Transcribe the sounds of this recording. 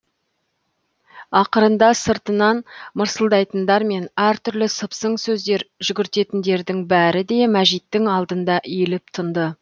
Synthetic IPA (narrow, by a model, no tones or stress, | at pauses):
ɑqəɾənd̪ɑsəɾt̪ənɑnməɾsəlˠd̪ɑjt̪ənd̪ɑɾme̞næɾt̪ʰʏɾlɪsəpsəɴsɵzd̪e̞ɾʒʏɡʲɪɾt̪e̞t̪ɪnd̪e̞ɾd̪ɪŋbæɾɪd̪e̞mæʒijt̪ːɪŋɑlˠd̪ənd̪ɑʔilɪp̚t̪ʰənd̪ə